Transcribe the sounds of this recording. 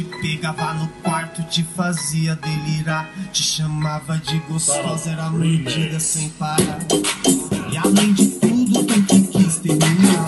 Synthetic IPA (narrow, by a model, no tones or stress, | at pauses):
t͡ʃɪpeɡavanʊkwaɾt̪ʊt͡ʃɪfaziɐd̪eliɾat͡ʃɪ̥ʃɐmavɐd͡ʒɪɡost̪ozɛɾɐmeɾd͡ʒid̪ɐsẽj̃paɾa | ɪalẽj̃d͡ʒɪt̪ud̪ʊkʊkɪkist̪emia